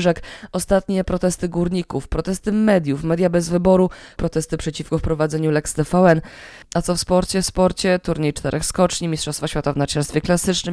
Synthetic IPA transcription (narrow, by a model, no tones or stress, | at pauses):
ʐɛkɔst̪at̪ɲɛpɾɔt̪ɛst̪ɘɡuɾɲikufpɾɔt̪ɛst̪ɘmɛd̪ʲjufmɛd̪jabɛzvɘbɔɾupɾɔt̪ɛst̪ɘpʂɛt͡ɕifkɔfpɾɔvad̪zɛɲulɛkst̪ɛfawɛn | at̪sɔfspɔɾt͡ɕɛfspɔɾt͡ɕɛt̪uɾɲejt͡ʂt̪ɛɾʔɛxskɔt͡ʂɲimʲistʂɔst̪faɕfʲjat̪avnat͡ʂɛɾst̪fʲjɛklasɘt͡ʂnɘm